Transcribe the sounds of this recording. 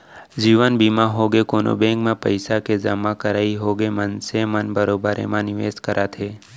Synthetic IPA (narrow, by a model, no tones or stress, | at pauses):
d͡ʒiːʋənbiːmaɦoːɡekoːno̰bẽːŋkmẽpəɪsaked͡ʒəmãkəɾaːiɦoːɡemənsemənbəɾoːbəɾḛmãnɪʋeːskəɾʔat̪ʰeː